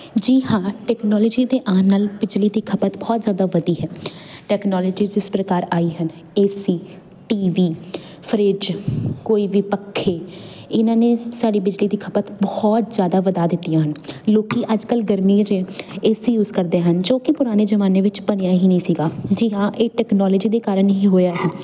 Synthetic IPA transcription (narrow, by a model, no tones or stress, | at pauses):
d͡ʒiːɦãːʈɛːknɔːlɔːd͡ʒiːd̪eːʔãːnalbɪd͡ʒliːd̪iːkʰəpət̪bɔːt̪zjaːd̪aːʋəd̪iːɦɛːʈɛːknɔːlɔːd͡ʒiːɪspɾəkaːɾaːiːɦən | eːsiː | ʈiːʋiː | pʰəɾɪd͡ʒkoːiːʋiːpəkʰːeː | ɪnãːneːsaːɖiːbɪd͡ʒliːd̪iːkʰəpət̪bɔːt̪zjaːd̪aːʋəd̪aːd̪ɪt̪ːijãːɦənloːkiːʔəd͡ʒkəlɡəɾmiːd͡ʒeːeːsjuːzkəɾd̪eːɦənd͡ʒoːkɪpʊɾaːneːzəʋaːneːʋɪt͡ʃbəñejãːɦiːnəĩːsiːɡaːd͡ʒiːɦãːʔeːʈɛːknɔːləːd͡ʒiːd̪eːkaːɾənɦĩːɦoːjaːɦɛː